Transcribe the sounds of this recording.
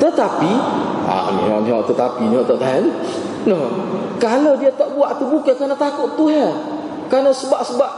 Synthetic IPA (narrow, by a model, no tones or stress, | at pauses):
t̪ət̪apia̰nḭɦɔ̰ʔniɦɔ̰ʔt̪ət̪apiniɦɔʔt̪ɔʔt̪aɦan | nəkaladiat̪aʔbuaʔt̪ubukakanat̪akʊʔt̪uɦa | kanasəbaʔsəbaʔ̚